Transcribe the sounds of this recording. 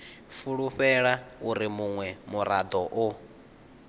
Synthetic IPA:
fuɺuɸɛɺauɾimuŋwɛmuɾad̪ɔʔu

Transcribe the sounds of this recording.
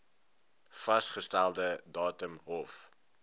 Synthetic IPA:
fɐsχəstælˠdədɑːtəmɦɔf

